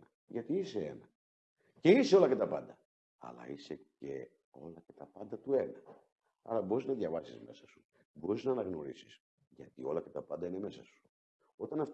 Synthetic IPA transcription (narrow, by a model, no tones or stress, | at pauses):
ʝɐt̪iiseḛnɐ | ce̞iseo̞lɐcet̪ɐpɐnd̪ɐ | ɐ̰lɐ̰isece̞ | o̞lɐcet̪ɐpɐnd̪ɐt̪ue̞nɐ | ɐ̰ɾɐbo̞ɾiznɐðʝɐvɐsizme̞sɐsu̥ | bo̞ɾiznɐːnɐɣno̞ɾisi̥s | ʝɐt̪io̞lɐcet̪ɐpɐnd̪ɐine̞me̞sɐsu̥ | o̞t̪ɐnɐft̪